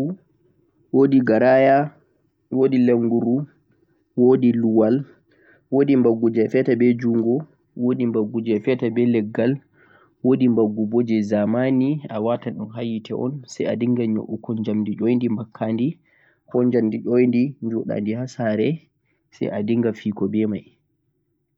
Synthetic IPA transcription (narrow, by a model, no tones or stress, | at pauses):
u | wodiɡaɾaja | wodileŋɡuɾu | wodiluwal | woɗimbaɡud͡ʒɛfɛtabɛd͡ʒuŋɡɔ | woɗimbaɡːud͡ʒɛfɛtabɛlɛɡːal | woɗimbaɡːubɔd͡ʒɛzamaniawataɗɔnɦajitʰɛ̰ʔɔ̰nsɛja̰diŋɡaɲo̰ʔukɔɲd͡ʒamdiɗɔjndimbakʰːandi | kɔɲd͡ʒamdiɗojndiɲd͡ʒɔɗa̰ndihasaɾɛ | sɛ̰ja̰diŋɡafiːkɔbɛmaj